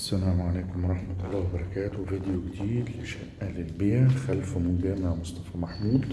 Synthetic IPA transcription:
sːælæːmʕaleːkʊmwɑɾˤɑħmat̪lˤːɑːwebɑɾˤɑkæːt̪wvid̪ejoɡd̪iːd̪lɪʃæʔʔælɪlbejæxælfæmʊnbɪæmaʕmosˤt̪ɑfæːmaħmuːd̪

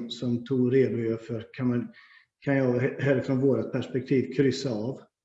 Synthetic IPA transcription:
sɔmt̪ʰuːɡɾeːd̪ʊjœːɾfœɾkʰanman | kʰanjɑːɡhɛlɾəfɾɔnvoːɾat̪̚pʰæʂpɛk̚t̪ʰiːvkʰɾʏsaːv

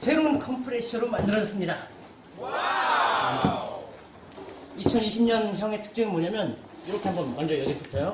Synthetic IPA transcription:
sʰe̞ɾoŋɯnkʰʌmpʰɯɾeɕʰɯɾomandɯɾʌd͡ʑʌs͈ɯmɲida | it͡ɕʰʌniɕʰimɲʌnçjʌŋe̞tʰɯ̥k̚t͡ɕ͈ɯŋnmoɲamjʌn | juɾʌkʰe̞ɦambʌnmʌnd͡ʑʌjʌɡipʰosʰejo

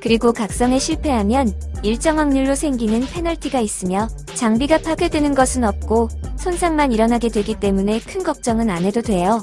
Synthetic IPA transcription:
kɯɾiɡokak̚s͈ʌŋe̞ɕʰiɭpʰe̞ɦamjʌniɭt͡ɕ͈ʌŋɦaŋɲuɭːosʰe̞ŋɡinɯnpʰe̞naɭtʰiɡais͈ɯmjʌ | t͡ɕaŋbiɡapʰaɡjedwe̞nɯnɡʌsʰɯnʌp̚k͈osʰonsʰaŋmaniɾʌnɦaɡe̞dwe̞ɡit͈e̞mune̞kʰɯnɡʌk̚t͡ɕ͈ʌŋɯnane̞dodwe̞jo

